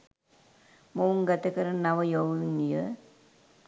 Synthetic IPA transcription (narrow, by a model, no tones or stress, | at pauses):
mouŋɡat̪əkəɾənaʋəjoʋʋiŋijə